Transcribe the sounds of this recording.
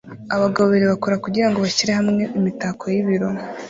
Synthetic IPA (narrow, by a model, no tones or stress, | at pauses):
aβaɡaβoβeɾeβakoɾakuɟiɾaŋɡo̞βaciɾehamŋe̞ʔimitakʰo̞jiβiɾo